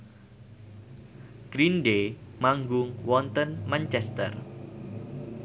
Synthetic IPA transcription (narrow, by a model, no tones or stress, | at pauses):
ɡ̥ɾinɖemaŋɡʊŋwɔnt̪ənmant͡ʃɛst̪ə̰r